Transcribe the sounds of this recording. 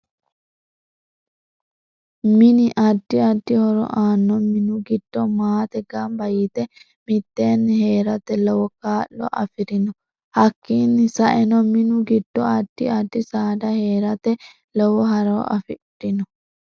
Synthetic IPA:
mɪnɪʔɐd̪ːɪɐd̪ːɪhɔɾɔ̰ʔaːnːɔmɪnʊɡɪd̪̥ːɔmaːt̪ɛɡɐmbɐjɪt̪ɛ | mɪt̪ːeːnːhe̞ːɾɐt̪ɛlɔwɔkaːʔːɔ̰ʔɐ̰fɪɾɪnɔ | hɐkːiːnːɪsɐʔɛnɔmɪnʊɡɪd̪̥ːɔɐd̪̥ːɪ̰ɐd̪ːɪsaːd̪ɐhe̞ːɾɐt̪ɛ | lɔwɔɦɐɾɐːɐ̰fɪdɪnɔ

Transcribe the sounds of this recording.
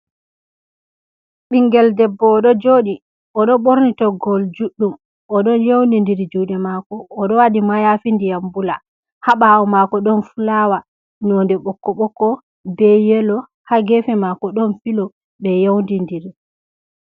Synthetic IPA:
ɓiŋɡɛldɛbːɔːɗɔd͡ʒoːɗi | ʔɔɗɔɓoɾnitɔɡɔld͡ʒuɗːum | ʔɔɗɔnjewndindiɾd͡ʒuɗɛmakɔːɗɔwaɗimajafindijambula̰ | haɓaɔmakɔɗɔnfulawa | nɔndɛɓɔkːɔɓɔkːɔ | bɛjɛlɔ | haɡɛfɛmakɔɗɔnfilɔ | ɓɛjowndindiɾi

